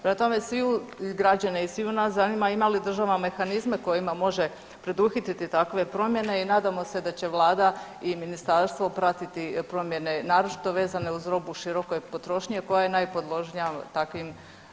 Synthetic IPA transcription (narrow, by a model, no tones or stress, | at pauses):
pɾemat̪o̞me̞sʋiuɡɾad͡ʑaneisʋiunaszanimaimalid̪r̩ʒaʋame̞xanizme̞ko̞jimamo̞ʒe̞ | pɾe̞d̪uxit̪it̪it̪akʋe̞pɾo̞mje̞ne̞inaːd̪amo̞se̞d̪at͡ɕe̞ʋlˠaːd̪aiminist̪aɾst̪ʋo̞pɾat̪it̪ipɾo̞mje̞ne̞naːɾot͡ʃi̥t̪o̞ʋe̞ːzane̞uzɾo̞buʃiɾo̞kojpo̞t̪ɾo̞ʃɲe̞ko̞jajenajpo̞d̪lˠo̞ʒɲat̪akʋim